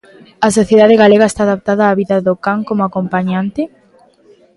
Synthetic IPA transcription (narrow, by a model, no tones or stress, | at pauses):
ɐsoθjeðaðeɣaleɣaest̪aːðap̚t̪aðaːβiðɐðokaŋkomoakompaɲant̪ɪ